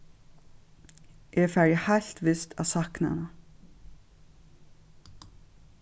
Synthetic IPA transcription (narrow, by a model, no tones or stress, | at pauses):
ʔeːfæɹəhaɬt̪ʋɪst̪ʰa̰sakna̰na